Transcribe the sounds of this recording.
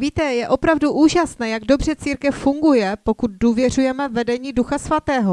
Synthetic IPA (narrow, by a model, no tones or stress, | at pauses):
viːt̪ɛjɛʔo̞pɾavduʔuːʒasnɛːjaɡdo̞br̝ɛt͡siːɾkɛfːuŋɡujɛpo̞kut̪̚duːvjɛr̝ujɛmɛvɛdɛɲiːduxasvat̪ɛːɦo